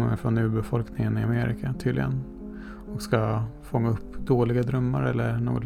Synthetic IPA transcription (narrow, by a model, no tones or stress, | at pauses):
mə̰ɾfɾɔnːʉ̟ːbɛfɔlknɪŋənɪameɾɪ̰kʰat̪ʰyːd̪lɪ̰ɡən | ɔkskafɔŋːaɵpːd̪oːlɪɡad̪ɾœmːa̰ɾɛlːəɳo̰ːɡɔt̪